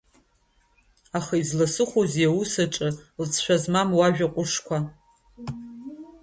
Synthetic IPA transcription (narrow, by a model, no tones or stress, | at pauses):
aχaizlasɨχʷozjawusaʈ͡ʂʼɨlt͡sʰʃʷᶣazmamwaʒᶣaqʷʼʊʂkʷʰa